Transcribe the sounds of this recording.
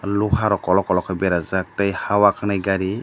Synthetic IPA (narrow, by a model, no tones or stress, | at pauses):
luhaɾɔkɔlɔkɔlɔkʰɔbɛɾazak̚tajhawakʰanɛɡaɾi